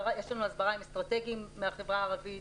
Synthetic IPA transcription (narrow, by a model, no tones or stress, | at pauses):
ajeʃlanuazbaʁaimest̪ʁat̪e̞ɡimːeaχe̞vʁaːʁavi